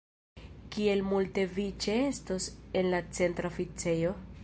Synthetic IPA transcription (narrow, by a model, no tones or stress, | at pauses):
kie̞lmulte̞vit͡ʃe̞estosenlat͡se̞ntɾaofit͡sejo̞